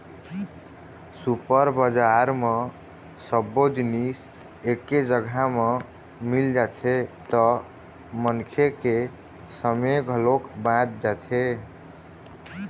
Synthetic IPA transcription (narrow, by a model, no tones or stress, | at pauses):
supəɾbəd͡ʒaɾme | səbːod͡ʒnis | ekːed͡ʒəɡʱame | mild͡ʒat̪ʰet̪ɔ | mənkʰeke | səmeɡʱəlokbãt̪̚d͡ʒat̪ʰe